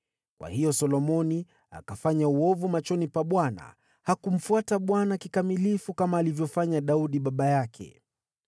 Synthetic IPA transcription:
kwa̰hijɔsɔlɔmɔni | a̰kafaɲauɔvumat͡ʃɔnipaɓwana̰ | hakum̩fuataɓwanakikamilifukamaːlivjɔfaɲaɗauɗiɓaɓajakʰɛ̰

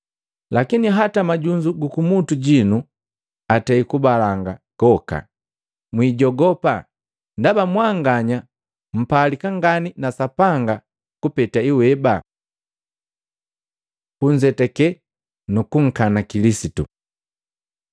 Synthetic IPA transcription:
lakiniɦatamaɟuɲd͡ʒuɡukumutuɟinu | atɛikubalaŋɡakɔka̰ | mwiːɟɔɡɔpa | ndabamwaŋɡaɲa | m̩palikaŋɡaninasapaŋɡa | kupɛtaiwɛba | kuɲd͡ʒɛtɛkɛ | nukuŋ̩kanakilisitṵ

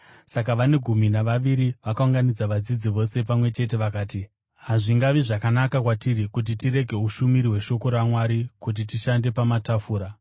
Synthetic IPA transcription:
sak̬aʋane̞ɡʱuminaʋaʋiɾiʋakauŋɡanid͡zaʋad͡zid͡ziʋo̞se̞pamwe̞t͡ʃe̞t̬e̞ʋakaːti | ɦaʐiŋɡaʋiʐakanakakwatirikut̬itiɾe̞ɡʱe̞ɦuʃumiɾiwe̞ʃo̞ko̞ɾamwaɾikut̬itiʃande̞pamatafuːɾa

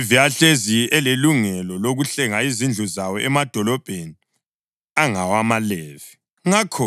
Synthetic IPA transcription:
viaɬeziɛleluŋɛlɔloɣuɬɛŋaizind͡ɮʱuzawɔʔɛmad̥ʱɔlɔb̥ʱeni | aŋawamaleːvi | ŋakʰɔ

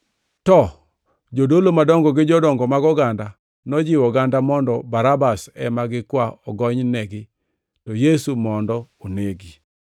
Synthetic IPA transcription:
tɔ | d͡ʒodolomadɔŋɡɔɡɪd͡ʒɔdɔŋɡɔmaɡɔɡanda | nɔd͡ʒɪwɔɡandamɔndɔbaɾabasɛmaɡɪkwaɔɡɔɲnɛɡɪ | tɔjesumɔndɔoneɡi

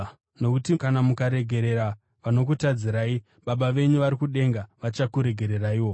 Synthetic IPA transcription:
no̞kutikanamukaɾe̞ɡʱe̞ɾe̞ɾa | ʋano̞k̬utad͡ziɾaːi | ɓaɓaʋe̞ɲuʋaɾikuɗe̞ŋɡaʋat͡ʃakuɾe̞ɡʱe̞ɾe̞raiːwo

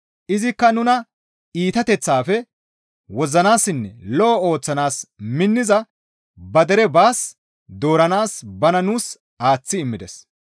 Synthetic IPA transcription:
ʔɪzɪkːɐnʊnɐ | iːt̪ɐt̪ɛt͡sːaːfɛ | wɔzɐnaːsɪnːɛlɔʔɔo̞ːt͡sːɐnaːsmɪnːɪzɐ | bɐd̪ɛɾɛbaːs | d̪o̞ːɾɐnaːsbɐnɐnuːs | aːt͡sːɪːmːɪd̪ɛs

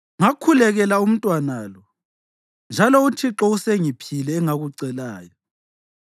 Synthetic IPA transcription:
ŋakʰulɛɣɛlaum̩tʼwanalɔ | nd͡ʒʱalɔutʰiǁɔuseŋipʰilɛːŋaɣuǀɛlaːjɔ

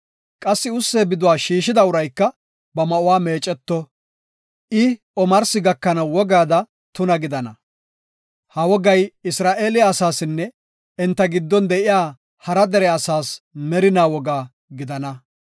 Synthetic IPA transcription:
kʼɐsːɪʊsːeːbɪd̪ʊwaːʃiːʃɪd̪ɐʊɾɐjkːɐ | bɐmɐʔʊwaːmeːt͡ʃʼɛt̪ːɔ | ʔɪ | ɔmɐɾsɪɡɐkːɐnɐwwɔɡaːd̪ɐ | t̪ʊnɐɡɪd̪ɐnɐ | hɐwɔɡɐjɪsɾaːʔe̞ːlɪaːsaːsɪnːɛ | ɛnt̪ːɐɡɪd̪ːɔnd̪ɛʔɪjaː | hɐɾɐd̪ɛɾɛɐsaːsmɛɾɪnaːwɔɡaː | ɡɪd̪ɐnɐ

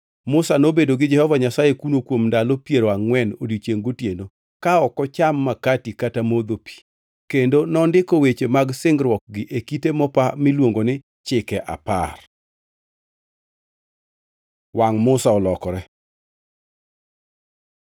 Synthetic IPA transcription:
mʊsanobedoɡɪd͡ʒɛhɔvaɲasajekunokwomndalopjeɾoaŋwɛnodit͡ʃeŋɡotjeno | kaɔkɔt͡ʃamːakatikatamod̪opi̥ | kendonɔndɪkowet͡ʃemaɡsɪŋɡɾwɔk̚ɡɪʔekitemɔpamɪlwoŋɡonɪ | t͡ʃɪkɛʔa̰pa̰r | waŋmʊsaɔlɔkɔɾɛ

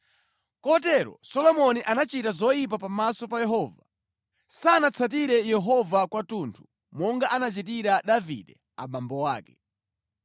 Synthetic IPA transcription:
kɔt̬ɛɾɔ̰sɔlɔmɔniʔanat͡ʃitazɔjip̬apamasɔpajɛɦɔːva | sanat͡sʰat̬iɾɛjɛɦɔvakwatuntʰu̥ | mɔŋɡaʔanat͡ʃit̬iɾaɗavḭɗɛ | a̰ɓambɔwaːkɛ

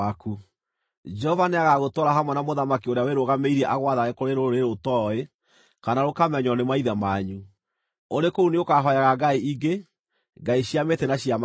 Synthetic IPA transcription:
aku | d͡ʒɛhɔvaneaɣaɣotɔɾaɦamwɛnamoðamakioɾeaweɾoɣameiɾiɛʔaɣwaðaɣekoɾeɾoɾoɾeɾotɔe | kanaɾokamɛɲɔnemaiðamaɲu | oɾekouneokaɦɔjaɣaɡaiʔiɡe | ɡaiɕiametɛnaɕjam

